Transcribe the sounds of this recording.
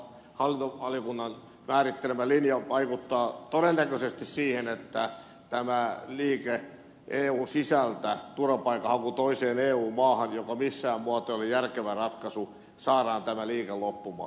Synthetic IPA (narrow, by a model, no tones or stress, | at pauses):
hɑlːint̪oʋɑlikunːɑn | mæːrit̪ːelemælinjɑʋɑikut̪ːɑːt̪odenːækøsest̪issiːhenet̪ːæ | t̪æmæliːke | ʔeːuːnsisælt̪æt̪urɑpɑikːɑhɑkut̪oiseːneːuːmmɑːhɑnjokɑmisːæːmmuɑt̪oolːejjærkeʋærɑt̪kɑsu | sɑːɾɑːnt̪æmæliːkellopːumɑ̰ː